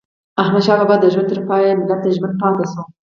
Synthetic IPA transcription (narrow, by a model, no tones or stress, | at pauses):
ahmad̪ʃɑbɑbɑd̪ːəʒwant̪əɾpɑjamɪlat̪aʒmənd̪̚pɑt̪aso